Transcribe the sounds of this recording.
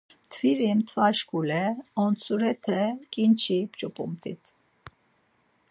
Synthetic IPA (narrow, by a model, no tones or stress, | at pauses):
t̪ʰviɾimt̪ʰvaʃkʰʼulɛɔnt͡sʰʼuɾɛt̪ʰɛkʼint͡ʃʰipt͡ʃʼɔpʼumt̪ʼḭt̪ʰ